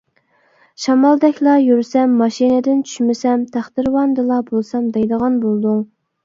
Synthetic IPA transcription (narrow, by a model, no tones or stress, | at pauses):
ʃɑmɑlˠd̪ɛkʲlˠɑjyɾsɛmːɑʃinɪd̪ɪnt͡ʃʰy̥ʃmɪsɛmt̪ʰæχd̪ɪɾwɑnd̪ɨlˠɑbolˠsɑmd̪ɑjd̪əʁɑnbolˠd̪uŋ